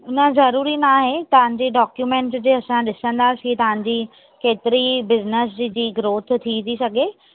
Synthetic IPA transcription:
ʊnə̆zɐɾuːɾinaːɦet̪ɐʋ̤ə̃ɲd͡ʑeːɖɔːkjuːmẽːɳʈsd͡ʑeːɐsãɗɪsə̃nd̪aːsit̪ɐʋãɲ̆d͡ʑiː | keːt̪ɪɾibɪznəs̬d͡ʑd͡ʑiːɡɾoːt̪ʰt̪ʰːit̪ʰisɐɡʱe

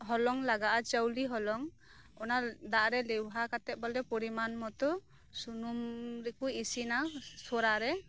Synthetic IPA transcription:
ɦɔlɔŋlaɡaʔat͡ʃawliɦɔlɔŋ | ɔnad̪aʔɾɛlɛwɦakat̪ɛʔ̚baldɛpɔɾimanmɔt̪ɔ | sunumɾɛkuisinasɔɾaɾɛ

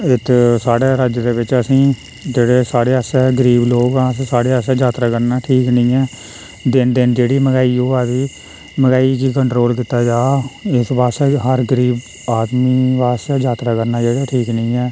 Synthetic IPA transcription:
ɪt̪ʰsaːɽeːɾəd͡ʒd̪eːʋɪt͡ʃəsĩː | d͡ʒeːɽeːsaːɽeːəsɛːɡəɾiːbloːɡãːssaːɽeːəsɛːd͡ʒaːt̪ɾaːkəɾnaːʈʰiːknəĩːɛː | d̪ɪnd̪ɪnd͡ʒeːɽiːməɡaːiːoːɛːʋiː | məɡaːiːkiːkəɳʈɾoːlkɪt̪ːaːd͡ʒaːɪsbaːsɛːɦəɾɡəɾiːb | aːd̪miːʋaːsɛːd͡ʒaːt̪ɾaːkəɾnaːd͡ʒeːɽaːʈʰiːknĩːɛː

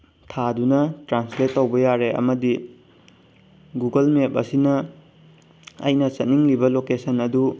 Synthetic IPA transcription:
tʰadunɐtɾansletːowbɐjaɾeʔɐ̰mɐdi | ɡuɡɐlmepɐ̰sinɐ | ɐ̰jnɐsɐt̚niŋlibɐlokesɐnɐdu

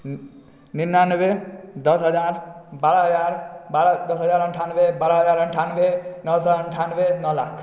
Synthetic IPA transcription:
ninːanʋed̪əsɦəd͡ʒaɾbaɾəɦəd͡ʒaɾbad̪əsɦəd͡ʒaɾəɳʈʰanʋebaɾəɦəd͡ʒaɾəɳʈʰanʋenʌsɔəɳʈʰanʋenʌla̰kʰ

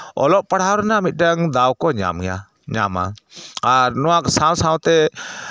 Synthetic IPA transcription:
ɔ̰lɔʔ̚paɽ̤awɾɛnaʔmit̪̚ˀɖaŋd̪awkɔɲa̰mja̰ | ɲama̰aɾnɔwaksãwsãwt̪ɛ

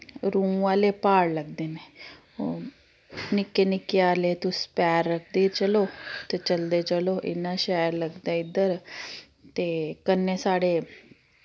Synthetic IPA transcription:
ɾũːʋaːleːpaːɽləɡ̚d̪eːneː | o | nɪkːeːnɪkːeːaːleːt̪ʊspɛːɾːəkʰd̪eːt͡ʃəloːt̪eːt͡ʃəld̪eːt͡ʃəloːʔɪ̰nːãːʃɛːəɾləɡd̪aːɪd̪əɾ | t̪eːkənːeːsaːɽeː

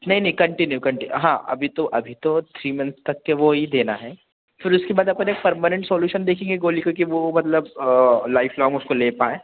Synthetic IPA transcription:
nɐɦĩnɐɦĩkɐ̃ɳʈɪnjukɐ̃ɳʈɪɦãːʔɐ̰bʱit̪oʔɐbʱit̪ot̪ʰɾiːmɐ̃nt̪st̪ɐkːeʋoɦid̪eːnaɦɛː | fɪɾʊskebaːd̪aːpmɛneːk̚pɐɾmənə̃ɳʈsoːljuːʃənd̪eːkʰẽːŋɡeɡoːlikokiʋomɐt̪ləblaːɪfʰlɔ̃ːŋʊskoleːpaːẽː

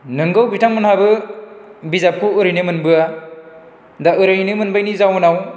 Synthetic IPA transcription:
nɯŋɡɯwbitʰaŋmɯnhabɯ | bizap̚kʰuɯɾɯjnɯmɯnbɯa | daɯɾajnɯmɯnbajnizawnaw

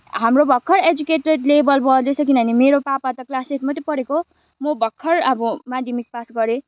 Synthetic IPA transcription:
ɦamrobʱʌkʰːʌɾed͡zukeʈreʈlebʌlbʌld̪ʌt͡sʰʌkinʌnimeɾopapat̪ʌklaseʈmʌt̪epʌɾeko | mobʱʌkʰːʌrʌbʌmadimik̚pasɡʌɾe

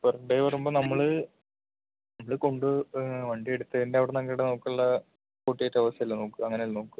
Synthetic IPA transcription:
perɐɳɖejʋɐrumboːnɐmːɐɭɨ | nɐmːɐɭɨko̞ɳɖɨʋɐɳɖieɽut̪ːɐðindeɐʋiɽenɐŋɡɐɽenoːkːɐɭːɐ | koːʈːijɐtːɐʋɐsɐilːɐnoːkːɨɐŋːɐnelnoːkːu

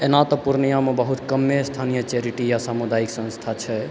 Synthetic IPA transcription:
enat̪ɔpuɾnijamebəɦut̪kəmːest̪ʰanijət͡ʃeɾiʈijasamud̪aiksə̃nst̪ʰat͡ʃʰɛ

